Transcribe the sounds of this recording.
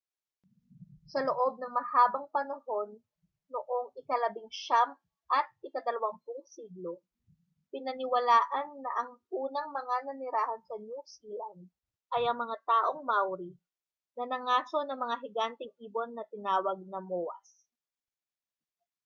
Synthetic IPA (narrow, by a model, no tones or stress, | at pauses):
sɐloʔo̞b̚nɐŋmɐhaːbɐŋpɐnɐho̞nː | oʔoŋɪkɐlɐbɪŋʃam | ʔɐt̪̚ɪkɐd̪ɐlɐwaŋpʊŋsiːɡlo | pɪnɐnɪwɐlaːʔɐnːɐʔɐŋʔuːnɐŋmɐŋanɐnɪɾaːhɐnsɐnjusilɐnd̪ | ʔɐjɐŋmɐŋat̪aːʔo̞ŋmawɾi | nɐnɐŋaːso̞nɐŋmɐŋaɦɪɡant̪ɪŋʔiːbo̞nːɐt̪ɪnaːwɐɡ̚nɐmoːɐ̰s